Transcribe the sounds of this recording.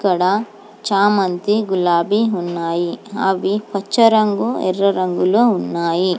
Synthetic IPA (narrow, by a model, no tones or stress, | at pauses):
kɐɽɐ | t͡ʃaːmɐnt̪iɡulaːbiunːaːjiɦa̰ːʋipɐt͡ʃːɐɾɐŋɡuɛ̰rːɐɾɐŋɡuloːunːaːji